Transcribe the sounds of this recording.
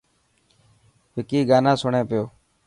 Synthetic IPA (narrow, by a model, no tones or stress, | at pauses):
ʋɪkiːɡaːnãːsʊɳẽːpɪjoː